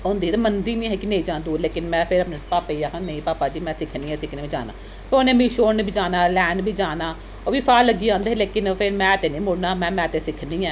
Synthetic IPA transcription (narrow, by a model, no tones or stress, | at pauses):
oːnd̪iːɾmənd̪iːnĩːɦɛːkɪnẽĩːd͡ʒãːnd̪uːleːkɪnmɛ̃ːpʰɪɾəpneːpaːpeiakanẽĩːpaːpaːd͡ʒiːmɛ̃ːsɪkʰniːɛ̃ːsɪkʰneːbĩːd͡ʒa̰ːna̰ː | pːoːnẽːmĩːʃoːɾnbiːd͡ʒaːnaːlɛːnbʱiːd͡ʒaːnaː | oːʋiːpʰaːləɡiːãːnd̪eɛːleːkɪnpʰɪɾmɛ̃ːət̪eːnĩːmʊɽnaːmɛ̃ːmɛ̃ːət̪eːsɪkʰniːɛː